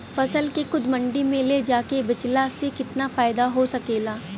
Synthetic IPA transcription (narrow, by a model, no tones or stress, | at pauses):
fɐsəlkexʊd̪mɐ̃ɳɖimẽled͡ʒaːkebɐt͡ʃlasekɪt̪nafaːɪd̪aɦosɐkeːlaː